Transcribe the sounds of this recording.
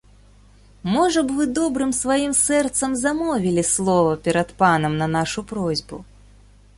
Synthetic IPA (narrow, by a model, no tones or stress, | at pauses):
mɔʐɐbvɨd̪ɔbɾɨmsvajimsɛrt̪sɐmzamɔvʲilʲislˠɔvɐpʲɛɾɐt̪panɐmnɐnaʂupɾɔzʲbṵ